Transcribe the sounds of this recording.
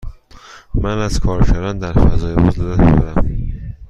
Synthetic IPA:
mænæz̥kʰɒːɾfæɾɒːnd̪æɾfæzɒːjebozlelæt̪o̰d̪æm

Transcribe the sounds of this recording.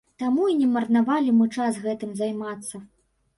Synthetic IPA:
t̪amuinʲɛmɐrnavalʲimɨt͡ʂasɣɛt̪ɨmzajmat̪sːɐ

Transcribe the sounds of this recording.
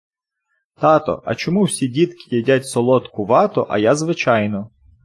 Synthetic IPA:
t̪ɑt̪ɔ̰ʔɐ̰t͡ʃɔmuwsʲidʲit̪kɪjɛdʲatʲsɔlˠɔt̪kʊʋɑt̪ɔ̰ʔɐ̰jazʋɪt͡ʃɑjnɔ

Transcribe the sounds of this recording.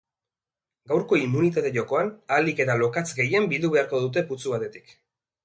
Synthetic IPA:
ɡawɾko̞imːunit̪at̪e̞ʝo̞ko̞analike̞t̪alo̞kat͡sɡe̞je̞mbild̪uβe̞aɾko̞ðut̪̬e̞put͡suβ̞at̪e̞t̪i̥k

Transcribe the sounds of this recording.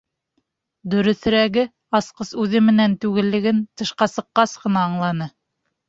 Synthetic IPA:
d̪ɵ̆ɾɵ̆θɘ̆ɾæɡɘ | ɑsqɤsʉðɘmɘ̆nænt̪ʉɡɘ̆lːɘ̆ɡɘnt̪ɤ̆ʃqɑsɤ̆qːɑsqɤ̆nɑːɴlˠɑnɤ

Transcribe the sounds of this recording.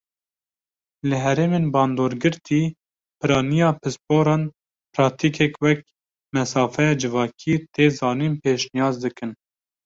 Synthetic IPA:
lɨɦɛɾeːmeːnbɑːnd̪oːɾɡɨɾt̪ʰiː | pʰɨɾɑːnijɑːpʰɨspoːɾɑːn | pɾɑk̚t̪ʰiːkʰɛkwɛk̚ | mɛsɑːfɛjɑːd͡ʒɨvɑːkʰiːt̪ʰeːzɑːniːnpʰeːʃnijɑːzd̪ɨkɨn

